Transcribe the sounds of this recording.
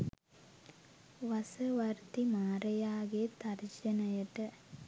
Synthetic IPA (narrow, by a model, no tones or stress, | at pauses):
ʋɐsɐʋɐɾt̪imaːɾɐjaːɡet̪ɐɾd͡ʒɐnɐjɐʈːɐ